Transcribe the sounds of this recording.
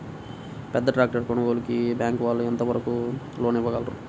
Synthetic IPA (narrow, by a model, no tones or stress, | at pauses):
pɛd̪ːɐʈɾaːk̚ʈɐɾkoɳɐɡoːlɐkibjaːŋkʋaːlːuɛnt̪ɐʋɐɾɐku | loːniʋːɐɡɐlɐɾṵ